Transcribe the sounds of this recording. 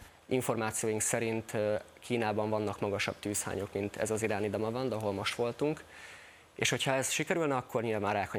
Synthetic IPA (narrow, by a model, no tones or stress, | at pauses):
iɱfo̞rmaːt̪sijoːjuŋksɛɾint̪kʰiːnaːbɒɱvɒnːɒkmɒɡɒʃɒ̰b̥̚t̪yːsha̰ːɲo̞kmint̪ʰɛ̰zɒziɾaːnid̪ɒmɒbɒnd̪ɛɒɦo̞lmo̞ʃt̪ʋo̞lt̪uŋk | ḛːʃho̞chɒɛsʃikɛɾylnɛɒkːo̞rɲiːlvvaːraːkhɒ